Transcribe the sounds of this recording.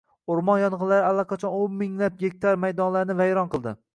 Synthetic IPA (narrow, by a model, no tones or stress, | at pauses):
oɾmɒnjɒnʁɨlaɾɪalˠːaqʰɑt͡ʃʰɒnommɪŋlap̚ɡʲek̚ʲt̪ʰaɾmajd̪ɒnlaɾnɪvajɾɒnqʰɨlˠd̪ɪ